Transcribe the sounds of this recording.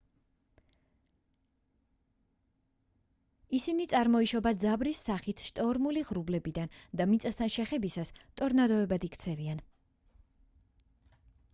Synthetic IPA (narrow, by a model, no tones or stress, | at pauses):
isinit̪sʼaɾmɔiʃɔbad̪zabɾisːaχit̪ʰʃt̪ʼɔɾmuliʁɾublɛbid̪and̪amit̪sʼast̪ʰanʃɛχɛbisast̪ʼɔɾnad̪ɔɛbad̪ikʰt̪sʰɛvian